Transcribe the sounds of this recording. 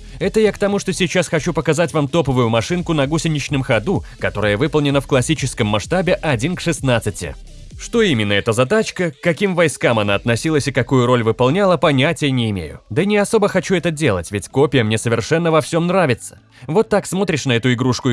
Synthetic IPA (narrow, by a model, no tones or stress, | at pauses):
ɛt̪əjakt̪ɐmuʂt̪o̞sʲɪt͡ɕasxɐt͡ɕupəkɐzatʲvamt̪o̞pəvʊjʊmɐʂɨnkʊnɐɡusʲɪnʲɪt͡ɕnɨmxɐd̪ukɐt̪o̞ɾəjəvɨpəlˠnʲɪnəfklˠɐsʲːit͡ɕɪskəmːɐʂt̪abʲɪʔɐdʲinkʂɨsnat̪sɨtʲɪ̰ | ʂt̪o̞imʲɪnːəɛt̪əzɐt̪at͡ɕkəkːɐkʲimvɐjskamɐnaɐt̪nɐsʲilˠəsʲɪkɐkujʊɾo̞lʲvɨpɐlˠnʲalˠəpɐnʲætʲɪjənʲɪɪmʲḛjʊ̰d̪ənʲɪɐso̞bəxɐt͡ɕuɛt̪ədʲe̞lˠətʲvʲɪtʲko̞pʲɪjəmnʲesəvʲɪrʂɛnːəvɐfsʲo̞mnɾavʲɪt̪sə̥ | vo̞t̪ːaksmo̞t̪ɾʲɪʂnəɛt̪ʊɪɡɾuʂkʊ